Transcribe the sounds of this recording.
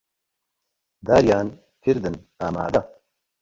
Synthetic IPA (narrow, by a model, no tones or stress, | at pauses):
d̪aːɾjaːn | kʰiɾd̪ɨn | aːma̰ːd̪ɐ